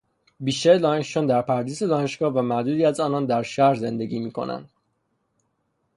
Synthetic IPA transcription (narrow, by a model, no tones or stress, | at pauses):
biːʃt̪æɾelɒːneʃond̪æɾpʰæɾd̪iːze̞d̪ɒːne̞ʃɡ̥ɒːhvæmæʔd̪uːd̪iːæzɒːnɒːnd̪æɾʃæhɾze̞nd̪e̞ɟiːmiːkʰo̞̰nʔæ̰nd̪̥